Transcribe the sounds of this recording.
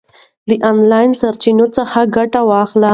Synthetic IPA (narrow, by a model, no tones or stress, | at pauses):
d̪əʔɑnlɑjnsaɾt͡ʃinot͡səxaɡaʈawɑxla